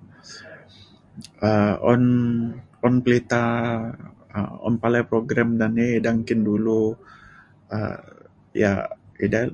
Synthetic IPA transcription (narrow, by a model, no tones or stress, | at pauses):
əɔ̰n | ɔnpəlit̪a | ə̰ɔ̰npalɛpɾoɡɾamdanɛdaŋkɪndulu | ə̰ | ja̰ida